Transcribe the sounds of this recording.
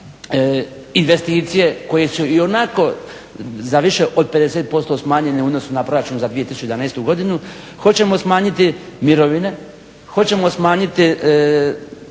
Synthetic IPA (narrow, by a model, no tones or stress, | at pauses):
inʋe̞st̪iːt̪sije̞ko̞jesuio̞nako̞ | zaʋiʃe̞ʔod̪̚pe̞d̪e̞set̪̚po̞st̪o̞smaːɲe̞neuːd̪nosunapɾo̞ɾat͡ʃunzad̪ʋije̞t̪isu̥t͡ɕeaneːst̪uɡo̞d̪inu | xo̞t͡ɕe̞mo̞smaːɲit̪imiɾoʋine̞ | xo̞t͡ɕe̞mo̞smaːɲit̪i